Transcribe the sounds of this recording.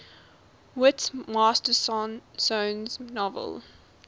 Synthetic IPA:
wɪtsmaːstəsnsõːnznɔvə̰lˠ

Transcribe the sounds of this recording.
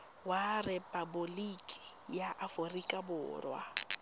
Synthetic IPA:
warɪpʼabʊlikʼi̥jaʔaforikʼabʊ̰ːrwa̰

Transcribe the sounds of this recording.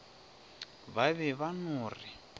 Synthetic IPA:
βaβɛβanuːri

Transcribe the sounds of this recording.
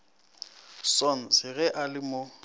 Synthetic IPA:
sɔn̩zɪɣɛʔalɪmo

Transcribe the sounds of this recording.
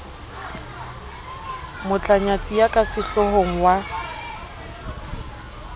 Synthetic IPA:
mʊt͡ɬʼaɲat͡sʼijakʼasɪɬɔɦoŋ̩wa

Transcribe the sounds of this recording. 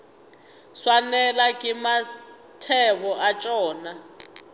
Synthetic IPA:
swanɛlakʼima | tʰɛβɔʔat͡ʃʼɔːna

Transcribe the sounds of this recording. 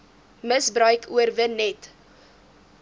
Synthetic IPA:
məsbrœɥkʰuərvənɛt

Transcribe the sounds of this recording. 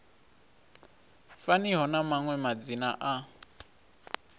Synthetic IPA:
faniɦɔnamaŋwɛmad͡zina̰ʔa

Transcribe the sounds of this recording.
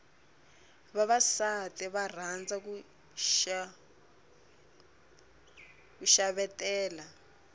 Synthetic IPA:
βaβasatɛβar̤and͡zak̬u | a | kuʃaβɛtɛːla

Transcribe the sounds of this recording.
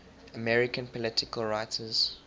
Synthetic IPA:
əmɛɹɪkə̃npɔlɪtʰɪkəlɹaɪtʰəz̥

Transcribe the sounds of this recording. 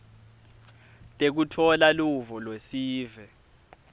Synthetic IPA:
tʼek̬utʰɔlaluvɔlwesiːvɛ

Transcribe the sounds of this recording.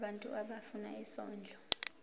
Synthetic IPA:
ɓantʼuʔaɓafuna̰isɔːnd͡ɮʱɔ

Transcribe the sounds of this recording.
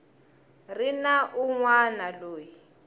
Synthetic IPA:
rinaʔuŋwanaloːji

